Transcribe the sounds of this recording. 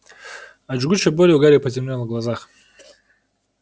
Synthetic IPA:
ad͡ʒɡut͡ʃebolʲeuɡaɾʲepɐtʲɪmlʲonɡlˠazaχ

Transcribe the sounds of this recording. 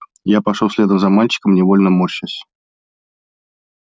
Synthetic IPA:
japɐʂosʲlʲed̪əmzɐmalʲt͡ɕɪ̥kəmnʲɪvolʲnəmoɕəsʲ

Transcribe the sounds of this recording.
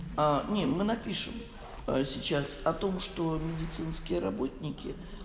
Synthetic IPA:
anʲemɨnɐpʲiʂɨ̰m | sʲɪt͡ɕasɐt̪o̞mʂt̪o̞mʲɪdʲɪt̪sɨnskʲɪjəɾɐbo̞t̚ʲnʲɪkʲɪ

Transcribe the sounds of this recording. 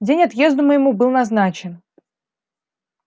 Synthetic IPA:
dʲenʲɐt̪je̞zd̪ʊməjɪmubɨlˠnɐznat͡ɕɪn

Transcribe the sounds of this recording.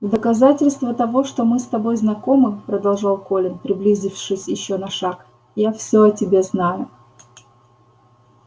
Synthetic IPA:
d̪əkɐzatʲɪlʲst̪vət̪ɐvo̞ʂt̪o̞mɨst̪ɐbo̞jznɐko̞mɨpɾəd̪ɐlˠʐɑlˠko̞lʲɪnpɾʲɪblʲizʲɪfʂɨsʲjɪɕːo̞nɐʂak | jafsʲɵɐtʲɪbʲe̞znajʊ

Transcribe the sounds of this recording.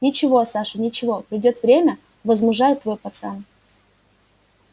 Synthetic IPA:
nʲɪt͡ɕɪvo̞saʂɨnʲɪt͡ɕɪvo̞pɾʲɪdʲo̞t̪vɾʲemʲə | vəzmʊʐajʊt̪ːvojpɐt̪sa̰n

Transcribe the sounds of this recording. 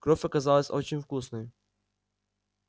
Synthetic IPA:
kɾɔfʲɐkɐzalˠəsʲot͡ɕɪnʲfkusnəj

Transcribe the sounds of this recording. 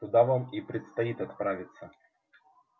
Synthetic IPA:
ʊd̪avamipɾʲɪt̪st̪ɐit̪ɐt̪pɾavʲɪt̪sə

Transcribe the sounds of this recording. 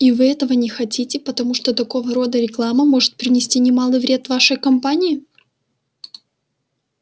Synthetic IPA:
ivɨɛt̪əvənʲɪxɐtʲitʲɪpət̪ɐmuʂt̪ot̪ɐko̞vəɾo̞d̪əɾʲɪklˠaməmo̞ʐɨt̪̚pɾʲɪnʲɪsʲtʲinʲɪmalˠɨjvɾʲe̞t̪vaʂəjkɐmpanʲɪɪ

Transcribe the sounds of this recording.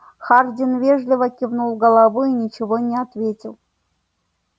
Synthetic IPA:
xardʲɪnvʲeʐlʲɪvəkʲivnulˠɡəlˠavɨinʲɪt͡ʃɪvonʲɪat̪vʲetʲɪlˠ

